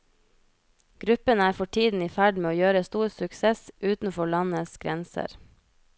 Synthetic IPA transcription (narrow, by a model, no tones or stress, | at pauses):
ɡ̥ɾʉpənæːɾfɔʈʰiːd̪n̩iːfæɖmeːoːjøːɾəst̪uːɾsʉkseːsʔʉːt̪n̩fɔɭɑnəsɡ̥ɾɛnsə̰ɾ